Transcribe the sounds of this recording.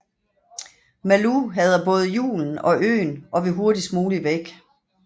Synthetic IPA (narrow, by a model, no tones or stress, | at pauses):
mæluɦæð̞ˠɐb̥ɔ̽ːð̞̩ˠjṵːln̩ɒ̽ʔø̰ːnʔɒ̽ʋeɦo̝ɐd̥ismuːliʋeɡ̥